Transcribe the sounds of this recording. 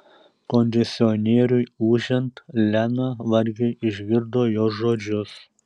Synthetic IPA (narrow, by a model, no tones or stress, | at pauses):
konʲd̪ʲɛsʲɪɔnʲeːɾʲʊjuːʒʲɛnt̪lʲænɐʋɐɾʲɡʲɪɪʒʲɡʲɪɾd̪oːjoːʒoːd͡ʒʲʊs